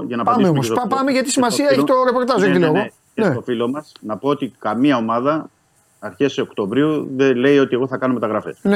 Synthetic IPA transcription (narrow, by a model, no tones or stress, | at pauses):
ʝɐnɐpɐmmeommospɐpɐmeʝɐt̪isimɐsiɐeçit̪o̞ɾe̞po̞ɾt̪ɐzoet̪ileɣo | nset̪ofilo̞mɐsnɐpo̞ot̪ikɐmiɐo̞mɐðɐː | ɾçeseokt̪ovɾiuðele̞io̞t̪ieɣo̞θɐkɐnomet̪ɐɣɾɐfe̞̰sne